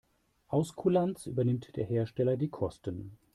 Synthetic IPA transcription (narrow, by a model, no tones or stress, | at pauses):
ʔaʊskʰulant͡sʔy̰ːbɐnɪmtd̥eːɐɦeːɐʃtɛlɐdiːkʰɔstən